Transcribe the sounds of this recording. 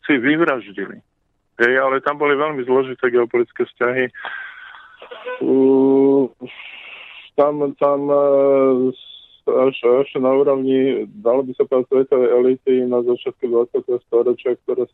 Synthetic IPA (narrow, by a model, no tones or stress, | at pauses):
siʋiʋɾaʒɟilḭ | ɦɛjalɛt̪ambɔliʋɛʎmizlɔʒit̪ɛːɡɛɔpɔlit͡skɛːfscaɦi | t̪amt̪am | aʃaʃnauːɾɔʊɲid̪alɔbisapɾasʋɛt̪ɔʋɛɛlit̪inazat͡ʃɪat̪̚kud̪ʋat͡sɪat̪ɛɦɔst̪ɔɾɔt͡ʃɪak̚t̪ɔɾɛːs